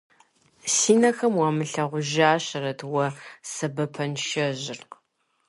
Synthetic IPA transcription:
siːnɐxɐmwɑmɨɬɐʁʷʊʒaːɕɐrɐtʰwɐsɐbɐpʰɐnʃɐʑɪrq

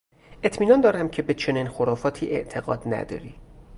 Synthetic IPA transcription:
ʔe̞t̪ʰmiːnɒːnd̪ɒːɾæmcʰe̞be̞t͡ʃʰoniːnxoɾɒːfɒːt̪ʰiːʔe̞̰ʔt̪ʰe̞ɣɒ̰ːd̪næ̰d̪ɒ̰ːɾḭː

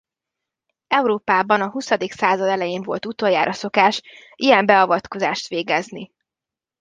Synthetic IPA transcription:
ɛuɾoːpaːbɒnɒɦusɒd̪iksaːzɒd̪ɛlɛjeːɱvo̞lt̪ut̪o̞jaːɾʔɒso̞kaːʃ | ʔijɛmbɛɒvɒt̪ko̞zaːʃt̪ʋeːɡɛzni

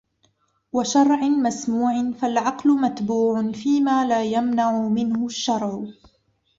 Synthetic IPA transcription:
waʃɑɾˤʕɪmasmuːʕɪnfalʕɑqlʊmat̪buːʕʊnfiːmaːlaːjamnaʕʊmɪnhʊʃːɑɾˤʕʊ

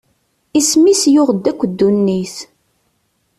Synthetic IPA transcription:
ismisjʊʁd̪ːækʷːəd̪ːunːiθ

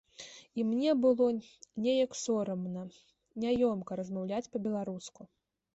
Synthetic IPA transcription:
imnʲɛbɨlˠɔnʲɛjɐksɔɾɐmnɐ | nʲajɔmkɐɾɐzmawlʲat͡sʲpɐbʲɛlˠaɾusku

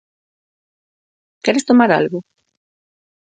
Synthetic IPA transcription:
kɛɾest̪omaɾa̰lɣʊ

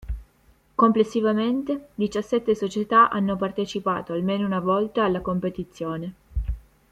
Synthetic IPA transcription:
komplesːivament̪ed̪it͡ʃasːɛt̪ːesot͡ʃet̪aʔa̰nːopart̪et͡ʃipa̰ːt̪oalmeːnounavɔlt̪aːlːakompet̪it̪sːjoːne

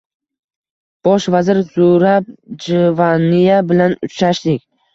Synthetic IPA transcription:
b̥ɒʃvazɪɾzʊɾab̚d͡ʒɪvanijabɪlanʊt͡ʃɾaʃd̪ɪkʲ

